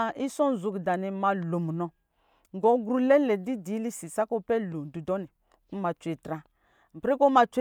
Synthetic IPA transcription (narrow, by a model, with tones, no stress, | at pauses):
ʔi˦sɔ˦n˨zu˨kda˨ni˨ma˧lo˨m˨nɔ˨ | ŋɡɔ˨˦ɡɾu˦lɛ˦lɛ˨di˦di˨˦li˦si˨sa˦ko˦pɛ˦lo˨n˨du˨dɔ˦ni˨ | ku˦ma˨t͡ʃʷe˨tɾa˦ | m̩˨pɾi˦kɔ˦ma˧t͡ʃʷe˦